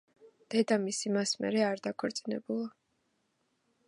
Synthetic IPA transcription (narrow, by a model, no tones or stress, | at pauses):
d̪̥ɛd̪amisimasmɛ̰ɾɛaɾd̪akʰɛɾt̪sʼinɛ̰bulˠa